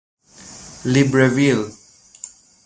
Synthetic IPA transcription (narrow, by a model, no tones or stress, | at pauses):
libɹəvil